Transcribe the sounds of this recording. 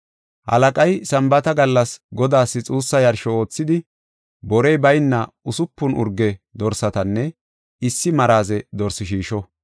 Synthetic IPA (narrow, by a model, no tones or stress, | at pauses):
hɐ̰lɐkʼɐjsɐmbɐt̪ɐɡɐlːɐsɡɔd̪aːsːɪt͡sʼuːsːɐjɐɾʃɔo̞ːt͡sːɪd̪ɪ | bɔɾɛjbɐjnːɐ | ʊsʊpːʊnʔʊ̰ɾɡɛd̪ɔɾsɐt̪ɐnːɛ | ɪsːɪmɐɾaːzɛd̪ɔɾsɪʃiːʃɔ